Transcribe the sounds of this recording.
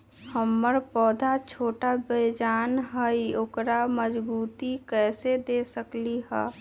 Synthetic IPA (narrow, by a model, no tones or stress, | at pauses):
həmːəɾpɔːd̪ʱat͡ʃʰoːʈabəjd͡ʒaːnɦəioːkɾaməd͡ʒbuːt̪ikɛːsed̪eːsəkliɦɛː